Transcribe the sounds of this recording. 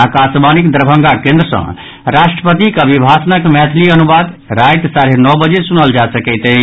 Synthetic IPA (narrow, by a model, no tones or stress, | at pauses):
akasmanikd̪ɾəbʱə̃ŋɡakẽnd̪ɾəsə̰̃ | ɾaʃʈɾəpət̪ikəbʱibʱasənəkmɛt̪ʰliənubad̪ | ɾajt̪saɾenɔbəd͡ʒesunəld͡ʒasəkɛt̪ə